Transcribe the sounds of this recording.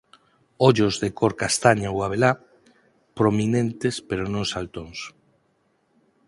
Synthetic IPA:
oʎozðekoɾkast̪aɲawaβ̞ela | pɾominent̪espeɾonõŋsalt̪oŋs

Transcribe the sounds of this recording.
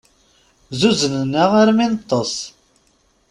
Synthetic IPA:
zuzənənːaʁaɾminət̪ˤːɑsˤ

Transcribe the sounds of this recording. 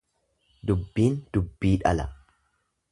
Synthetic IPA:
d̪ʊbːiːnd̪̥ʊbːiːᶑɐlɐ

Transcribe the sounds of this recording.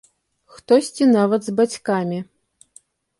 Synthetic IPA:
xt̪ɔsʲt͡sʲinavɐt̪zbat͡sʲkamʲi

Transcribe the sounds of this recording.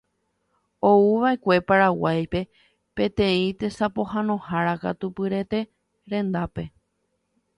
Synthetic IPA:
o̞uʋae̞kʷe̞paɾawajpe̞ | pẽ̞t̪ẽ̞ĩt̪e̞sapo̞ɦãnõ̞haɾaka̰t̪upɨɾe̞t̪e̞ | ɾẽ̞nd̪ape̞

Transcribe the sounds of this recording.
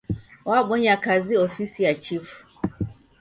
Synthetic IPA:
waɓɔɲakaziɔfisijat͡ʃifu̥

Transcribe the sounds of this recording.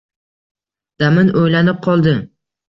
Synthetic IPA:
d̪̥amɪnojlanɪp̚qʰɒlˠd̪ɪ

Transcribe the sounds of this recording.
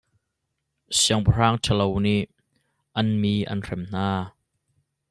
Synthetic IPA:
siəŋpɐr̥aːŋtʰəlowniʔ | ʔɐnmiːʔɐ̰nr̥ɛmn̥aː

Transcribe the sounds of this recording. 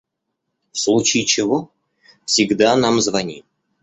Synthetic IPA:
fslˠut͡ɕɪt͡ɕɪvo | fsʲɪɡd̪anamzvɐnʲi

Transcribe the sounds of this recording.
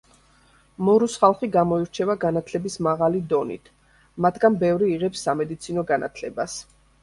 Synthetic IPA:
mɔɾusχalˠχiɡamɔiɾt͡ʃʰɛvaɡanat̪ʰlɛbismaʁalid̪ɔnḭt̪ʰ | mat̪ʰɡanbɛvɾiːʁɛpsːamɛd̪it̪sʰinɔɡanʔa̰t̪ʰlɛbas

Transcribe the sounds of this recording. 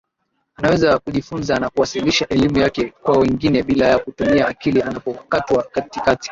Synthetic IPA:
anawɛzakuʄifunzanakuwasiliʃaʔɛlimujakɛkwawɛŋɡinɛɓilajakutumiaːkilianapɔkatwakatikati̥

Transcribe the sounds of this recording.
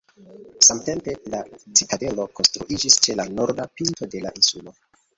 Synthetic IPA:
samte̞mpe̞lat͡sitade̞lo̞ko̞nstɾuʔid͡ʒist͡ʃe̞lano̞ɾdapinto̞de̞la̰ʔinsulo̞

